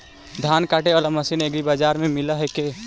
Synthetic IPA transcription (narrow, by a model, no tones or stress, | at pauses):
d̪ʱjaːnkaːʈeɔləməsineɡibaːd͡ʒaːɾmẽmɪlaɦɛke